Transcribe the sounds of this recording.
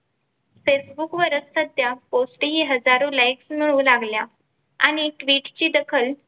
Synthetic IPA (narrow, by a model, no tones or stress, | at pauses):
fesbukʋəɾəst̪əd̪ʱjaposʈɦiːɦəd͡zaɾolajksmiɭulaɡlja | a̰ɽ̃iʈʋiːʈt͡ɕiːd̪əkʰəl